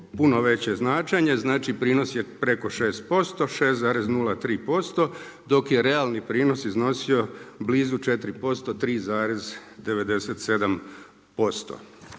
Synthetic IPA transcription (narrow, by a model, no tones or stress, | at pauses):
punoʋe̞t͡ɕe̞znaːt͡ʃaɲeznaːt͡ʃipɾiːno̞sje̞pɾe̞ko̞ʃe̞ːst̪̚po̞st̪o̞ʃe̞ːst̪zaːɾeznulat̪ɾiːpo̞st̪o̞ | d̪o̞kje̞ɾe̞alˠnipɾiːnosizno̞sio̞bliːzut͡ʃe̞t̪ɾipo̞st̪o̞t̪ɾiːzaːɾe̞zd̪e̞ʋe̞d̪e̞set̪se̞d̪am | po̞st̪o̰